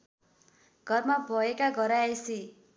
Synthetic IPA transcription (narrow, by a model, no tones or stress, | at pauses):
ɡ̥ʱʌrmabʱʌekaɡʱʌɾaesi